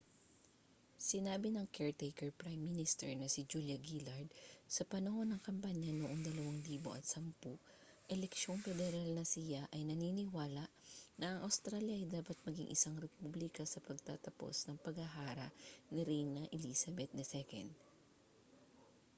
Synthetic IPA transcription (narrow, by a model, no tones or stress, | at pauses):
sɪnaːbɪnɐŋkɛɹt̪ejkɛɹpɹajmːinɪst̪ɛɹnɐsɪd͡ʒuljɐɡilɐɹd̪̚sɐpɐnɐho̞nɐŋkɐmpaɲɐnoʔoŋd̪ɐlɐwaŋliːbo̞̰ʔɐt̪̚sɐmpu | ʔɛlɛkʃo̞ŋfɛd̪ɛɾalnɐsɪjaʔɐjnɐninɪwaːlɐʔnɐʔɐŋʔɐwst̪ɾaːljɐʔɐjd̪aːpɐt̪̚mɐɡḭŋʔɪ̰saŋɾɛpublɪkɐsɐpɐɡ̚t̪a̰ːt̪ɐpo̞̰snɐŋpɐɡɐɦaːɾɐʔnɪɾijnɐʔɛlisɐbɛt̪̚nɛsɛkɛ̰nd̪̚